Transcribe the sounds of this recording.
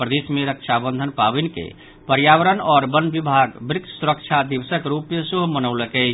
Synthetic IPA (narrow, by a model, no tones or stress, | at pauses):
pɾəd̪esmeɾəkt͡ʃʰabə̃nd̪ʱənpabinkḛ | pəɾjaʋəɾənɔɾbənbibʱaɡbɾɪk̪suɾək̚t͡ʃʰad̪ibsəkɾupesuɦmənəʊləkɛ